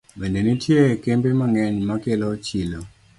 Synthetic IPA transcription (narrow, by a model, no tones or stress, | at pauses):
bendenitjekembemaŋɛɲmakelɔt͡ʃilo